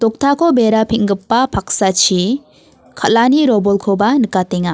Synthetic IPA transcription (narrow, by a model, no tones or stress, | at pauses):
tɔk̚tʰakʰɔbeɾapʰiŋɡɯpːapʰak̚sat͡ʃʰi | kʰalaniɾɔbɔlkʰɯbanɯkateŋa